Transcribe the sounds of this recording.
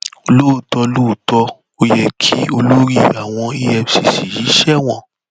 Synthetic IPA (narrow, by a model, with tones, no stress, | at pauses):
o˧lo˦o˨tɔ˧lo˦˨tɔ˧ | o˧jɛ˧kʰi˦o˧lo˦ɾi˦˨a˨w̃ɔ̃˧i˧ɛ˧fsi˨si˨ji˨˦ʃɛ˦w̃ɔ̃˦˨